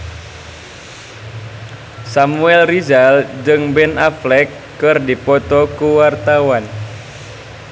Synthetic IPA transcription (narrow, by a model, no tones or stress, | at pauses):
samuɛlrizald͡ʒɨŋbɛnaflɛkːɨrdipɔt̪ɔkuwart̪awan